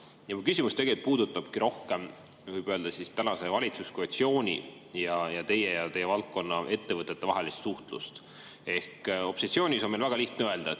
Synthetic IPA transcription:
jɑmukysʲimust̪e̞ɡ̥elit̪̚ˑpuːd̪̥ut̪ːˑɑb̥kiɾo̞hke̞m | vɯjb̥ø̞ːld̪̥ɑsist̪ænɑse̞vɑlʲit̪suskoet̪sio̞ːnʲḭ | jɑjɑt̪e̞jejɑt̪e̞jevɑlt̪̚kːo̞nːɑʔe̞t̪ːe̞vɤt̪ːˑe̞t̪ːevɑɦelist̪suht̪lṵst̪ | e̞hko̞psesio̞ːnʲisomelvæɡ̥ɑliht̪neøe̞ld̪̥ɑe

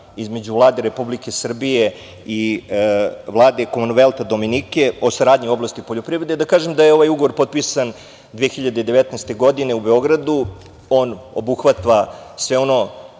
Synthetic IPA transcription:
izme̞d͡ʑuvlˠaːd̪e̞ɾe̞publikesr̩bije̞ | i | ʋlˠaːd̪e̞komunʋelˠt̪ad̪o̞minike̞o̞saɾaːd̪ɲio̞blˠast̪ipoʎo̞pɾiʋɾe̞d̪ed̪akaːʒemd̪ajeo̞ʋajuɡoʋoɾpo̞t̪̚pisan | d̪ʋeexiʎad̪ed̪e̞ʋet̪nest̪e̞ɡo̞d̪ine̞ubeo̞ɡɾad̪u | o̞ːno̰buxʋat̪ʋasʋeo̞no̞

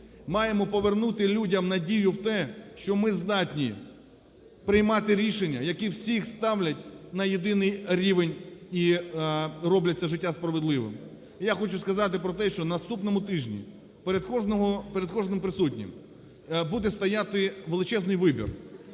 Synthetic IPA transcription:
mɑjemɔpɔʋernut̪ɪlʲudʲɐmnɐdʲijʊwt̪ɛʃt͡ʃɔmɪzd̪ɑtʲnʲi | pɾɪjmɑt̪ɪɾʲiʃenʲːɐjɐkiwsʲixst̪ɑwlʲɐtʲnɐjed̪ɪnɪjɾʲiʋenʲi | rɔblʲɐt͡sʲːɐʒɪtʲːaspɾɐʋed̪lˠɪʋɪ̰m | jaxɔt͡ʃʊskɐzɑt̪ɪpɾɔt̪ɛʃt͡ʃɔnɐst̪upnɔmʊt̪ɪʒnʲḭ | peɾed̪kɔnɔɦɔpeɾed̪kɔʒnɪmpɾɪsutʲnʲɪ̰m | bud̪ɛst̪ɐjat̪ɪʋelˠɪt͡ʃɛznɪjʋɪbʲḭr

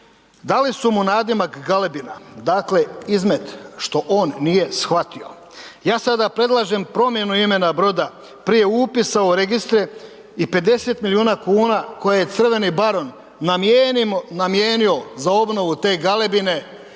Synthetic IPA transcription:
d̪alisumunaːd̪imakɡalebinad̪aːkleizme̞t̪ʃt̪o̞ʔo̞ːnːije̞sxʋat̪io̞̰ | jaːsad̪apɾe̞d̪lˠaʒe̞mpɾo̞mje̞nuime̞nabɾo̞d̪a | pɾije̞upisaoɾeɡist̪ɾe | ipe̞d̪e̞se̞t̪milijuːnakuːnako̞jaje̞t̪sr̩ʋe̞nibaɾo̞n | namjeːnio̞zao̞bno̞ʋut̪e̞ːɡalebine̞

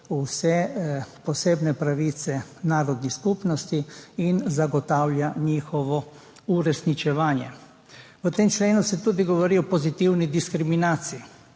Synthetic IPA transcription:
usɛpɔseːbnɛpɾaʋiːt̪sɛnaːɾɔd̪niskupnɔst̪iinzaɡɔt̪aːwlʲjaɲiːxɔʋɔ | uɾɛsnit͡ʃɛʋaːnjɛ̰ | ʋət̪emt͡ʃleːnusɛt̪uːd̪iɡɔʋɔɾiɔpɔzit̪iwnid̪iskɾiminaːt̪sii

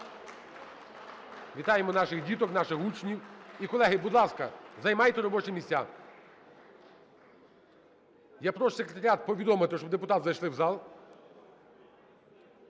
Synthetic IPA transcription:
ʋʲit̪ɑjemɔnɑʃɪxdʲit̪ɔknɑʃɪxut͡ʃnʲiwikɔlˠɛɦɪbud̪lˠɑskɐzɐjmɑjt̪ɛɾɔbɔt͡ʃɛmʲisʲt͡sʲa̰ | japɾɔʃsʲekɾʲet̪ɐɾʲɪat̪̚pɔʋʲid̪ɔmɪt̪ɪʃt͡ʃɔbd̪epʊt̪ɑt̪zɐjʃlˠɪwzɑlˠ

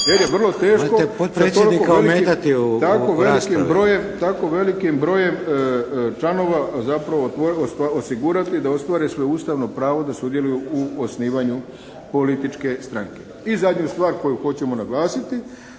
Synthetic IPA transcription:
jeɾjeʋr̩lˠo̞t̪e̞ːʃkoepot̪pɾest̪oed̪ikokelimeat̪it̪akoʋelkimbɾo̞jemt̪ako̞ʋe̞likimbɾo̞ːje̞m | t͡ʃlano̞ʋazapɾaʋot̪oost̪aosiɡuɾat̪id̪ao̞st̪ʋaːɾesʋouːst̪aʋno̞pɾaːʋo̞d̪asud̪je̞lujuuosniːʋaɲu | po̞lit̪it͡ʃke̞st̪ɾaŋke̞ | izad̪ɲust̪ʋaːɾko̞juxo̞t͡ɕe̞mo̞naɡlaːsit̪i

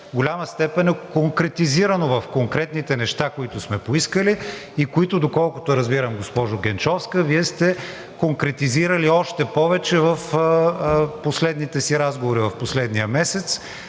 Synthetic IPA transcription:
vɡolʲaməst̪ɛpɛnɛkoŋkɾɛt̪iziɾənovɐfkoŋkɾɛt̪nit̪ɛnɛʃt̪akoit̪ʊsmɛpoiskəliːkoit̪ʊd̪okɔlˠkʊt̪oɾɐzbiɾəmɡospɔʒʊɡɛnt͡ʃɔfskəviɛst̪ɛ | koŋkɾɛt̪iziɾəliɔʃt̪ɛpɔvɛt͡ʃɛvəf | poslɛd̪nit̪ɛsiɾazɡovoɾivɐfposlɛd̪nijəmɛsɛt̪s

